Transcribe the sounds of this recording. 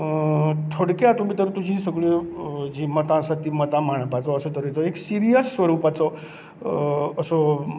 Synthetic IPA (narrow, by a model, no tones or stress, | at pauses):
t̪ʰoɽkjat̪um̤iːt̪əɾt̪ud͡ʑʱĩsəɡɭed͡ʑiːmət̪ãsat̪imət̪ãmaɳ̃pat͡sɔəsot̪əɾit͡s̪ɔeksiɾijəsːʋəɾupat͡sɔ | sɔ